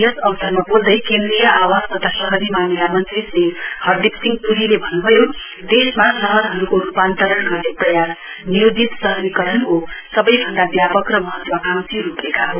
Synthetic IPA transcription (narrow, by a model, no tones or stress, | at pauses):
jʌsʌwsʌrmabold̪ʌjkend̪rijʌʔawast̪ʌt̪ʰasʌɦʌɾimanilamʌnt͡seseɡhʌrd̪ipsiŋɡpuɾilebʱʌnːubʱʌjo | d̪esmasʌɦʌɾɦʌɾukoɾupant̪ʌɾʌnɡʌrd̪eprʌjas | nijod͡zit̪sʌɦʌɾikʌɾʌnkosʌbʌjbʱʌnd̪abjapʌkrʌmʌɦʌt̪makamsiɾupekaɦo